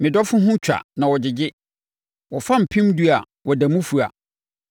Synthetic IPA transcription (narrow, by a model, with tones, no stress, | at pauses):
mɪ̃˨dɔ˦fʊ̃˦ɦʊ̃˦t͡ɕᶣa̰˨nã˨wɔ˨d͡ʑɪ˨d͡ʑɪ˦ | wɔ˨fã˦˨m̩˨pʰĩ˦mdu˦a˨ | wɔ˨da˨mũ˦fu˨a̰˨